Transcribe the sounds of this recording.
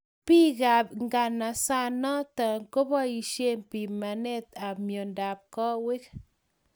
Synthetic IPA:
pi˦ɡa˨pŋɡa˨na˨sa˦nɔ˦tɔ˨ŋko˦bɔ˦i˨ʃe˦mpi˨ma˨ne˦˨ta˨mjo˨nda˨p̚kɔ˦we˦k

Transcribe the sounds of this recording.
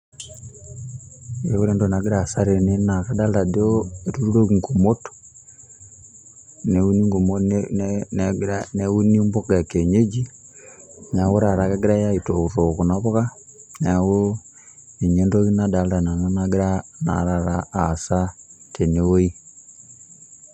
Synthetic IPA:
e˦wu˦ɾeː˦ndona˨ɡi˦ɾa˨sa˦ɾe˨ne˦na˨ka˦da˦lda˨di˦o˦e˨ɾu˦ɾu˦ɾo˦ŋɡo˨mo˦to̥ | neu˦ni˦ŋɡo˨mo | nɡɾanewu˦ni˦mbo˦ka˨ke˨ɲe˦d͡ʒi˦ | na˨wo˦ɾa˨ɾa˨ka˦ɡi˦ɾa˦ja˦ito˨uɾo˨ku˨naβo˦ɣa˦ | na˨wo˦ | e˨ɲe˦ndo˦ɣi˦nada˨˦lda˨na˨no˦naɡi˦ɾana̰˨ɾa˨ɾaː˨sa˦tʰe˨newo˦i˦

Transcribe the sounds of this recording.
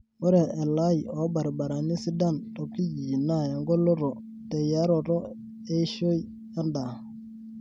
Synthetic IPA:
o˦ɾe˨e˨la˦ji˨o˨˦ba˨ɾba˨ɾa˨ni˦si˦da˦nto˨ki˦d͡ʒi˨na˦˨ja˨ŋɡo˦lo˦ɾo˨ | te˨ja˦ɾo˨ɾo˦ | e˦ʃo˦j | a˦nda˨

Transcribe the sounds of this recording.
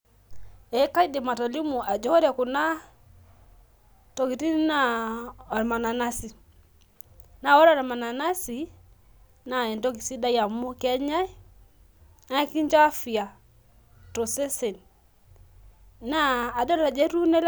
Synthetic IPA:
ɛ˨˦ka˦i˦de˨ma˨tɔ˨li˦mu˨ʔa˨d͡ʒɔ˦ɾa˨ku˨na˦ | to˨ki˨ti˦n˦na˦˨ɔ˨ɾma˨na˨na˦si˨ | na˨wɔ˦ɾɔ˦ɾma˨na˨na˦si˨ | na˨ɛ˨ndo˦ki˨si˦da˦ja˨mu˦kɛ˦ɲa˦j | a˦ki˦ɲt͡ʃa˦fi˨a˨ | to˨se˦se˨n | naː˦˨dɔ˦ɾa˨d͡ʒe˦ɾu˦nɛ˦l

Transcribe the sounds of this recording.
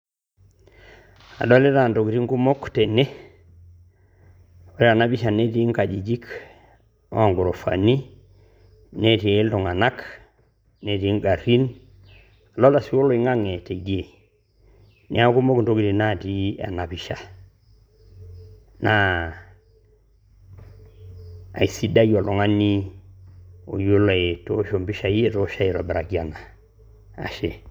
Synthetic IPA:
a̰˨do˦le˦ta˨nto˨ki˨ɾi˦ŋku˦mo˦kte˨ne˦ | o˨ɾe˦a˨na˦bi˦ʃa˨ne˦ti˦ŋka˨d͡ʒi˨d͡ʒi˦k | o˦ŋɡu˨ɾo˨fa̰ni˦ | ne˦ti˨e˨˦lto˨ŋa˨na˦k | ne˨ti˦ŋɡa˨ɾi˦n | a˨lo˦la˨si˦o˦lo˦i˦ŋa˦ŋe˨te˨ɡi˦e˨ | nḭ˨˦a˦ku˦mo˦ku˨nto˦ki˦ti˨na˦ti˦a̰˨na˨pi˨ʃa˨ | na˦ | a̰˨i˨si˦da˦jo˨lo˨ŋa˦ni˦ | o˨ju˦lo˨e˨to˦ʃo˨mbi˦ʃa˨ji˦e˨to˦ʃa˦i˨ɾo˨be˨ɾa˨ki˨a˨na˨ | a̰˨ʃe˨

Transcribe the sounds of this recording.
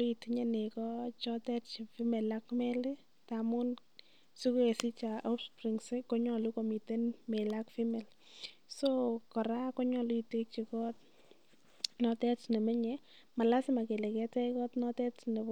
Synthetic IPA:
lu˦i˨tiɲe˦ne˨kɔ˦t͡ʃɔ˦tɛ˦tt͡ʃi˨fi˦me˨la˦kmɛ˦li˦ | ta˨mʊ˦n | su˦ku˦e˨si˦t͡ʃa˨ʔo˦pspɾi˨ŋsi˦kɔ˦ɲɔ˨lu˦ko˨mi˨te˦nme˨la˦kfi˦me˨l | so˦kɔ˨ɾa˦kɔ˦ɲɔ˨lu˦i˨te˦k̚t͡ʃi˨kɔ˦t̚ | nɔ˧tɛ˦tt͡ʃne˨mɛ˦ɲɛ | ma˨la˦sɪ˦ma˨ke˨le˨kɛ˦tɛ˦kɔ˦tnɔ˦tɛ˦tne˨

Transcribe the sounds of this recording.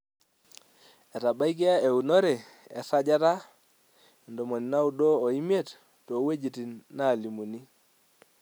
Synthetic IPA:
e˨ta˨ba˦i˦k̬i˦a˦e˨u˨no˦ɾe˨ | e˨sa˦d͡ʒa˦ta˦˨ | ndo˨mo˨ni˨na˦u˦doː˦˨i˦mje˦˨t | to˨˦we˦d͡ʒi˨ti˨nːa˦˨li˨mu˨ni˦

